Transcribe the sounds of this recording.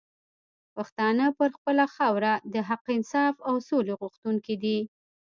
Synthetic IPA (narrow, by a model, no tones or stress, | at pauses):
paxt̪ɑnəpəɾxpəlaxawɾad̪əɦaqɪnsɑfawsoleɣuxt̪uŋkid̪i